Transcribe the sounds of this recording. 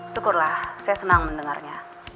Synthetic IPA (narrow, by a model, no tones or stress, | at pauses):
sukʊrlahsajasənaŋməndəŋa̰rɲa